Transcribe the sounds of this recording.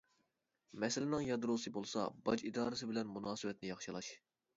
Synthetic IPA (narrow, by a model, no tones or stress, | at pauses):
mɛsɪlɪnɪŋjɑd̪ɾosɨbolˠsɑ̰bɑd͡ʒid̪ɑːɾɨsɨbɪlɛnmunɑːsɨwɛt̪nɪjɑχʃɨlˠɑʃ